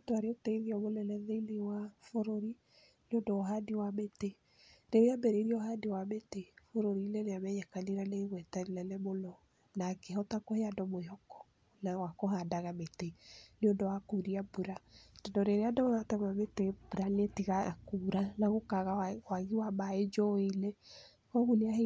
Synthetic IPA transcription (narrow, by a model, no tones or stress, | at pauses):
doaɾeotɛiðiɔmolɛlɛðeilewafoɾoɾi | neondɔɔɦadiwamete | ɾeɾeambɛɾeiɾiɔɔɦadewametefoɾoɾilɛneamɛɲakaniɾaneiɣwɛtaɾilɛlɛmolɔ | nakeɦɔtakɔheadɔmoeɦɔkɔ̥ | nawakɔɦadaɣameteneodɔwakuɾiabuɾadɔndɔɾeɾeadɔwanatɛmametebuɾanetiɣakuɾanaɣokaɣawaɣiwamaed͡ʒɔelɛ | kɔɣuneahe